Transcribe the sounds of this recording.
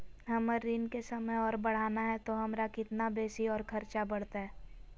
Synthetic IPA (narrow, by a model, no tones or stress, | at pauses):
ɦɐməɾːɪnkesɐməjɔːɾbɐɽ̤aːnaɦɛt̪oɦɐmɾakɪt̪nabeːsiɔːɾkʰɐɾt͡ʃabɐɽ̤t̪aɦɛː